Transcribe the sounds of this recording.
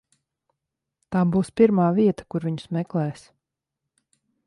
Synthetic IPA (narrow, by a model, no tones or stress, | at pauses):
t̪aːbuːspiɾmaːviɛt̪ḁkuɾviɲu̥smɛklɛːs